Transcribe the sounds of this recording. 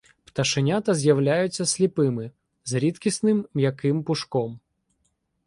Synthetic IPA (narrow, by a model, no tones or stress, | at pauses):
pt̪ɐʃɪnʲat̪ɐzʲjɐwlʲajʊt͡sʲːɐsʲlʲipɪmɪ | zɾʲit̪kʲisnɪmjɐkɪmpʊʃkɔm